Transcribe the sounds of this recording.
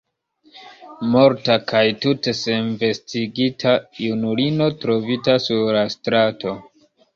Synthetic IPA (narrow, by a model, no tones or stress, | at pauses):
mo̞ɾtakajtute̞se̞nve̞stiɡitʰajunulino̞tɾo̞vitasuɾlastɾato̞